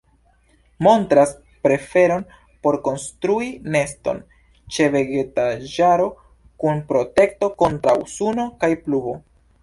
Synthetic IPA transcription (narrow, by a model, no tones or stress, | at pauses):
mo̞ntɾas | pɾe̞fe̞ɾo̞n | po̞ɾko̞nstɾuine̞sto̞̰n | t͡ʃe̞ve̞ɡe̞taʒaɾo̞ | kunpɾo̞te̞kto̞ko̞ntɾa̰wsuno̞kajplubo̞